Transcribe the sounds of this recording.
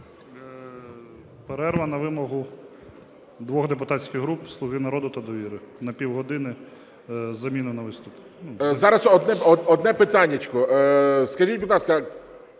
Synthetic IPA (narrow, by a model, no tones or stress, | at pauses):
peɾɛrʋɐnɐʋɪmɔɦʊ | d̪ʋɔɣd̪ep̬ʊt̪ɑtʲt͡sʲkʲɪɣɦɾupslˠʊɦɪnɐɾɔd̪ʊt̪ɐd̪ɔʋʲiɾɪnɐpʲiwɦɔd̪ɪnɪ | zɐmʲinʊnɐʋɪst̪ʊp | nuzɑɾɐsɔd̪nɛɔɔd̪nɛpɪt̪ɑnʲːɐt͡ʃkɔskɐʒʲitʲbit̪lˠɑskɐ